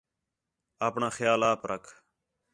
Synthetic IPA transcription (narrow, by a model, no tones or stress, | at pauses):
aːpɳãːxjaːlaːpɾəkʰ